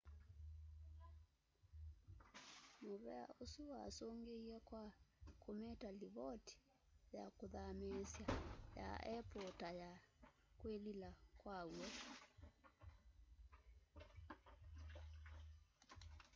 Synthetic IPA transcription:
moβɛa̰osiwasoŋɡeiɛkwakʰometaliβɔti̥ | ja̰koðamesjaja̰ɛpotaja | kwelilakwawɛ

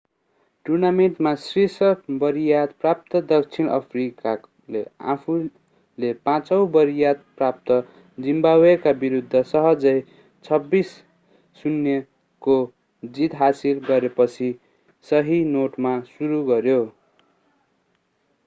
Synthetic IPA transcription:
ʈurnameɳʈmasrisʌbʌɾijad̪prap̚t̪ʌd̪ʌkt͡sʰinʔʌ̰pʰrika | lea̰pʰu | lepãt͡sʌwbʌɾijad̪̚prap̚t̪ʌ | d͡zimbabekabiɾud̪ʱːʌsʌɦʌd͡zʌj | t͡sʰʌbːisː | unjʌ | ko | d͡zit̪ɦasilɡʌɾepʌt͡sʰi | sʌɦinoʈmasuɾuɡʌɾjo

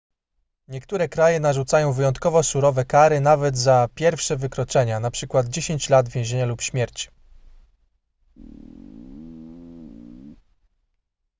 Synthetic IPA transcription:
ɲɛkt̪uɾɛkɾajɛnaʐut̪sajɔ̃w̃vɘjɔnt̪̚kɔvɔsuɾɔvɛkaɾɘnavɛd̪zapʲjɛɾfʂɛvɘkɾɔt͡ʂɛɲanapʂɘkwad̪d͡ʑeɕeɲt͡ɕlad̪vʲjẽɛ̃w̃ʑeɲalupɕmʲjɛɾt͡ɕ

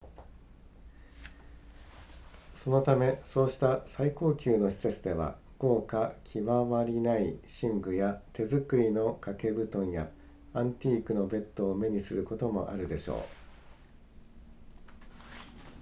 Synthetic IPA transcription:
so̞no̞t̪ame̞so̞ːɕi̥t̪asaiko̞ːkʲɨːno̞ɕi̥se̞t͡sɨd̪e̞βa̰ | ɡ̥o̞ːkakʲʰiβaβaɾʲinaiɕĩŋɡɯ̟jat̪e̞zɨkɯ̟ɾʲino̞kake̞bɯ̟t̪õ̞ɰ̃ja | ãnt̪ʲiːkɯ̟no̞be̞t̪ːo̞ːme̞ɲ̟isɨɾɯ̟ko̞t̪o̞mo̞ʔa̰ɾɯ̟d̪e̞ɕo̞̰ː

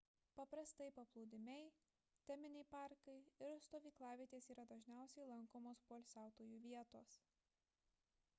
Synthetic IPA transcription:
pɐpɾɐst̪ɐɪpɐplˠuːd̪ʲɪmʲɛɪ | t̪ʲɛmʲɪnʲɛɪpɑˑɾkɐɪɪɾst̪oːʋʲiːklˠɑːʋʲiɛt̪ʲeːsiːɾɐd̪ɐʒʲnʲæˑʊsʲɛɪlˠɐŋkoːmoːsboːlʲsʲæˑʊt̪oːjuːʋʲiɛt̪oːs

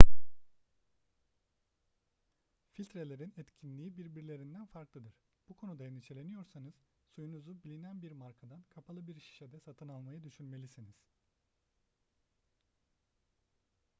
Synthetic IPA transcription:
filʲt̪ʰɾe̞lʲe̞ɾinɛt̪cʰinlʲiːibiɾbiɾlʲe̞ɾind̪ænfaɾklˠɯd̪ɯɾ̥ | b̥ukʰo̞nud̪aenit͡ʃʰe̞lʲe̞nijo̞ɾsanɯz̥ | sujunuzubilʲinænbiɾmaɾkʰad̪ankʰapʰalˠɯbiɾʃi̥ʃed̪ɛsat̪ʰɯnalˠmajɯd̪yʃynme̞lʲisiniz̥

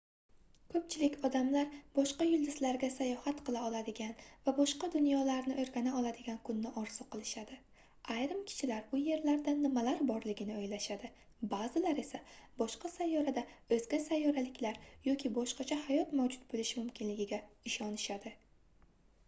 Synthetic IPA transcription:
kʰɵp̚t͡ʃʰɪlɪkʲɒd̪amlaɾbɒʃqɑjʊlˠd̪ɪzlaɾɡʲasajɒhat̪qʰɨlˠaɒlˠad̪ɪɡʲanvabɒʃqɑd̪ʊnjɒlaɾnɪʔoɾɡʲanaɒlˠad̪ɪɡʲankʰʊnːɪʔɒɾz̥ʊqʰɨlˠɪʃad̪ɪ | ajɾɪmkʲʰɪ̥t͡ʃʰɪlaɾʊje̞ɾlaɾd̪anːɪmalaɾbɒɾlɪɡʲɪnɪojlaʃad̪ɪ | bazɪlaɾe̞sab̥ɒʃqɑsajːɒɾad̪aɵzɡʲasajːɒɾalɪkʲlaɾjɒkʲɪbɒʃqɑt͡ʃʰahajɒt̪mawd͡ʒʊt̪̚bolɪʃɪmʊmkʲʰɪnlɪɡʲɪɡʲaɪʃɒnɪʃad̪ɪ

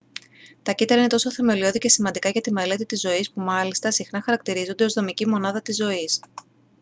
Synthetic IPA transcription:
t̪ɐcit̪ɐɾɐine̞t̪o̞so̞θe̞me̞lio̞ðice̞simɐnd̪ikɐʝɐt̪ime̞le̞t̪it̪izːo̞ispumɐlist̪ɐsixnɐxɐɾɐkt̪iɾizo̞nd̪e̞o̞zðo̞micimo̞nɐðɐt̪izːo̞is

